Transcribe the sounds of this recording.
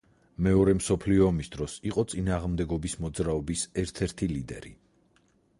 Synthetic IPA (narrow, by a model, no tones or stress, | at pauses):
mɛɔɾɛmsɔpʰliɔmisd̪ɾɔsiqʼɔt̪sʼinaːʁmd̪ɛɡɔbismɔd̪zɾaɔbisɛɾt̪ʰɛɾt̪ʰilid̪ɛ̰ɾi